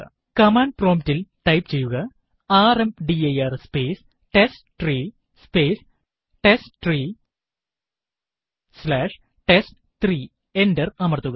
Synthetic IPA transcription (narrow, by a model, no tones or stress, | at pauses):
kɐmaːnɖpro̞ːmptilʈɐjpt͡ɕe̞jːuɣɐ | aːremɖiɐjɐːrspeːs | ʈesʈʈriː | speːs | ʈesʈʈriː | slaːʂ | ʈesʈ | t̪riː | endɐrɐmɐrt̪ːuɣɐ